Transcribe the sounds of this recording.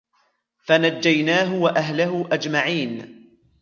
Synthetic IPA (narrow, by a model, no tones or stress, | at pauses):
fanad͡ʒːajnaːɦʊwaʔaɦlaɦʊʔad͡ʒmaʕiːn